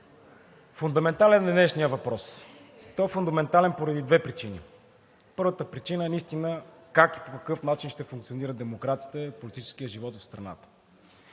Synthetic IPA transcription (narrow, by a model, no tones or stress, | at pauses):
fund̪ɐmɛnt̪alɛnːɛnɛʃniəvɐpɾɔs | t̪ɔɛfund̪ɐmɛnt̪alɛnpoɾɐd̪id̪vɛpɾit͡ʃinḭ | pɤɾvət̪əpɾit͡ʃinəɛnəist̪inəkakipokɐkɤfnat͡ʃinʃt̪ɛfuŋkt̪sioniɾəd̪d̪ɛmokɾat̪siət̪ɛpolit̪it͡ʃɛ̥skijəʒivɔt̪fst̪ɾɐna̰t̪ə̥